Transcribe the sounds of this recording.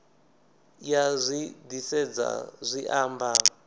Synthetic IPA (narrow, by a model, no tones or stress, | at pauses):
jazʷid̪isɛd͡za̰zʷiʔaːmba